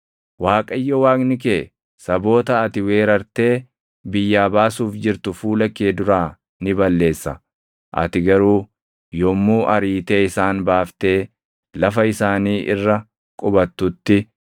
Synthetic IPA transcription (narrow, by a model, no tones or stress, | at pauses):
waːkʼɐjːɔwaːkʼnɪk̬eː | sɐbo̞ːt̪ɐːt̪ɪwe̞ːɾɐɾt̪e̞ː | bɪjːaːbaːsuːfd͡ʒɪɾt̪ʊfuːlɐkːeːd̪ʊɾaː | nɪbɐlːe̞ːsːɐ | ʔɐ̰t̪ɪɡɐɾuː | jɔmːuːʔɐɾiːt̪eːɪsaːnbaːft̪e̞ː | lɐfɐɪsaːniːʔɪ̰rːɐ | kʼʊbɐt̪ːʊt̪ːɪ